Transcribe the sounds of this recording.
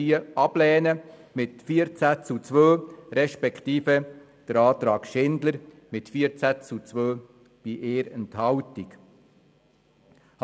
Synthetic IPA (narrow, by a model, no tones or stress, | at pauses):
iəɑb̥lɛːnəmɪtfiːəɾt͡sæt͡sut͡sʋøːɾɛʃpɛkʰt̪iːfə | d̪̥əɾɑːt̪ɾɑːkʃɪndləɾ | mɪtfiəɾt͡sæt͡sut͡sʋøː | b̥iʔeːɾənt̪hɑwtik | h